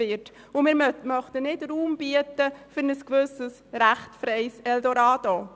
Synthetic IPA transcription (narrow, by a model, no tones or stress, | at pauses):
ɪt | ʊmɪːɾmmœχt̪ənɪdɾuːmb̥iətəfʏɾnəskʋɵsəs | ɾæχtfɾɛɪsɛldoɾɑːd̥o